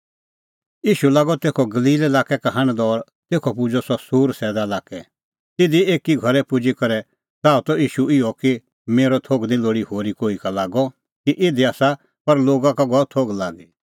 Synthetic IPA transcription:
jiːʃulaːɡɔt̪eːkʰɔɡɐliːlelaːkɛkaɦɐ̃ɽ̃d̪ɔːɾ | t̪eːkʰɔpʊd͡ʒɔsɔsuːɾsɛːd̪alaːkɛ | t̪ɪd̪ieːkiɡʱɐɾɛpʊd͡ʒikɐɾɛ | t̪aːut̪ɔiːʃuɪɔki | meːɾɔt̪ʰoːɡnĩloːɽihoːɾikoːikalaːɡɔ | kiʔɪd̪iaːsa | pɐɾloːɡãkaɡɔt̪ʰoːɡlaːɡi

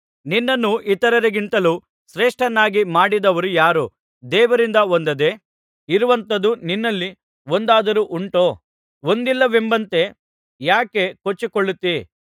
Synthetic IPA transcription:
ninːɐnːuʔit̪ɐɾɐɾeɡint̪ɐlu | sɾeːʂʈɐnːaːɡimaːɽid̪ɐʋɐɾujaːɾu | d̪ɛːʋɐɾind̪ɐond̪ɐd̪e̞ | iɾuʋɐnt̪ɐd̪uninːɐlːi | o̞nd̪aːd̪ɐɾuʔuɳʈo̞ː | o̞nd̪ilːɐʋembɐnt̪e̞ | jaːke̞kot͡ʃːikoɭːut̪ːi

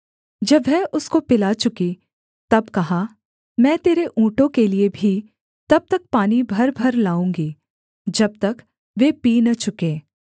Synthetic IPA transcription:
d͡ʒɐbɦɛʔʊskopɪlat͡ʃʊki | t̪ɐbkɐɦa | mɛ̃ːt̪eːɾeʔũːʈõkeliebʱi | t̪ɐb̚t̪ɐk̚paːnibʱɐɾbʱɐɾlaːũːŋɡiː | d͡ʒɐb̚t̪ɐk | ʋeːpiːnɐt͡ʃʊkẽː

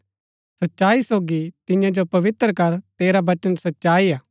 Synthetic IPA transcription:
sɐtːʃaːisoːɡit̪ɪ̃jãd͡ʒopɐʋɪt̪ɾəkɐɾt̪eːɾabɐt͡ʃənsɐtːʃaːiaː

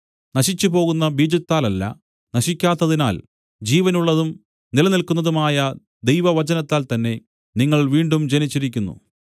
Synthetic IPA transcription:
nɐɕit͡ɕːupo̞ːɣunːɐbiːd͡ʑɐt̪ːaːlɐlːɐ̰ | nɐɕikʲːaːt̪ːɐðina̰ːl | d͡ʑiːʋɐnuɭːɐðum | nilɐnilkːunːɐðumaːjɐ | d̪e̞jʋɐʋɐt͡ɕɐnɐt̪ːaːlt̪ɐnːe̞ | niŋːɐɭʋiːɳɖumd͡ʑe̞nit͡ɕːiɾik̬ʲːunːṵ

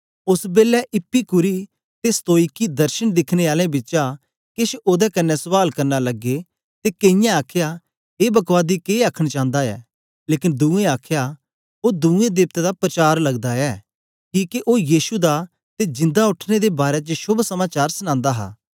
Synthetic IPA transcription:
ʊsbeːlɛʔɪpːikʊɾi | t̪est̪oːikːid̪ɐɾʃəñd̪ɪkʰneaːlẽbɪt͡ʃa | kɪʃoːd̪ɛkɐnːɛsəʋaːlkɐɾnalɐɡːe | t̪ekeɪ̃jãaːkʰja | eːbɐkʋaːd̪ikeːaːkʰəɽ̃t͡ʃãːnd̪aɛ̰ː | leːkɪnd̪ũːẽaːkʰja | oːd̪uːẽd̪ɪːp̚t̪ɛd̪apɾət͡ʃaːɾlɐɡd̪aɛː | kiːkiʔoːjiːʃud̪a | t̪ed͡ʒɪ̃nd̪aʊʈʰned̪ebaːɾɛt͡ʃəʃʊbsɐmaːt͡ʃaːɾsəñãːnd̪aɦa̰ː

